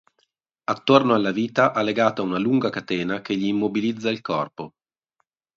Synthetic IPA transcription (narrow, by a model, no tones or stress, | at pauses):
at̪ːornoalːaviːt̪aʔalːeɡaːt̪aunaluŋɡakat̪ɛːnakeʎːiːmːobilid̪zːailkɔrpo